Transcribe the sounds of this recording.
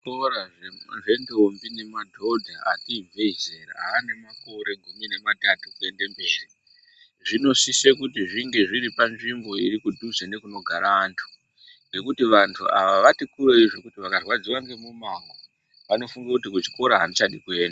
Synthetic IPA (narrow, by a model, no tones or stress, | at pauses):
koɾaeʐe̞ndombine̞madʱo̞dʱaakivʱe̞zeɾa̰aːne̞mako̞ɾe̞ɡʱumine̞matatukue̞ndembe̞ːri | ʐino̞sisekutiʐiŋɡe̞ʐiɾipanʐimbo̞irikudʱuzene̞kuno̞ɡʱaɾaʋaːntʰu̥ | ŋɡe̞kutiʋantʰuaʋaʋatikureiʐokutiʋakarwad͡ziwaŋɡe̞mumaŋɡo | ʋano̞fuŋɡakut̬ik̬ut͡ʃi̥ko̞ɾaɦanit͡ʃaɗikueːnda